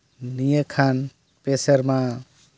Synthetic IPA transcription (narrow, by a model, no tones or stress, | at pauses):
nijəkʰan | pesʌɾma